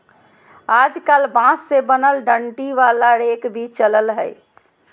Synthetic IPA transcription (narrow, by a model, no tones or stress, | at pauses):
ad͡ʒkalbãsːebənəlɖəɳʈiʋalaɾekbʱit͡ʃələlɦə̰j